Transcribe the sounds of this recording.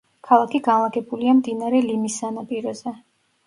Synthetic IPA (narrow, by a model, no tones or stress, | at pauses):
kʰalˠakʰiɡanlˠaɡɛbuliamd̪inaɾɛlimisːanapʼiɾɔzɛ